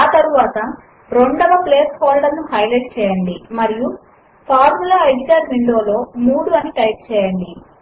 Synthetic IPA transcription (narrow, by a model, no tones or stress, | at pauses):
aːt̪ɐɾuʋaːt̪ɐ | ɾo̞ɳɖɐʋɐpleːshoːlɖɐɾnuhɐjlɐjʈt͡ʃɛːjɐɳɖimɐɾiju | pʰaːɾmulaːɐjd̪iɡaːɾʋiɳɖo̞ːlo̞ːmuːɽuɐniʈɐjp̚t͡ʃɛːjɐɳɖi